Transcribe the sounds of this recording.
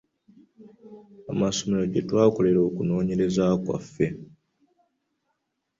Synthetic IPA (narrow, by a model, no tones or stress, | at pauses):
amaso̞meɾo̞ɟetwaːko̞le̞ɾo̞ːkuno̞ːɲe̞ɾe̞zakwa̰fːe̞